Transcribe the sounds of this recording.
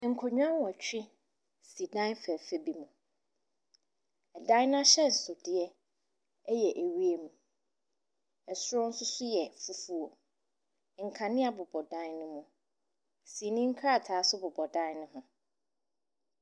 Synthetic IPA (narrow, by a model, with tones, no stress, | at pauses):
ŋ̩˨kʰɔ˨ɲᶣ˦ã˦n˦wɔ˨t͡ɕᶣɪ˦ | si˨dã˦nfæ˨fɛ˦bi˨mũ˨ | ɛ˨dã˦nʊ̃˦a˦ɕɛ˦n̩˨sʊ˨dɪ˨ɛ˦ | ɛ˦jɛ˨ʔe˨wi˦e˨mũ˨ | ɛ˨sʊ˦ɾɔ˦n̩˦sʊ˦sʊ˦jɛ˨fu˦fu˦o˨ | ŋ̩˨kʰã˨nɪ̃˦a˨bʊ˨bɔ˨dã˦nnʊ̃˦mũ˨ | si˨nĩ˦ŋ̩˦kʰa˦˨tʰaː˨˦sʊ˦bʊ˨bɔ˨dã˦nnʊ̃˦ɦʊ̃˦